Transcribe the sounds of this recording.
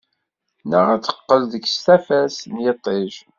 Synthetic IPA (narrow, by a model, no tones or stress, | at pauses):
nəʁæt͡sːə̥qːəlðəkst̪æfæsnjət̪ˤːeʒ